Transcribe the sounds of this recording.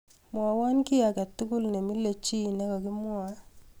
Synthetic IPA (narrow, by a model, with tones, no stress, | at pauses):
mwa˨wa˦nkɪ˦a˨kɛ˨tu˦ku˦lne˨mi˦le˨t͡ʃi˦na˦kɔ˨ki˦mwa˦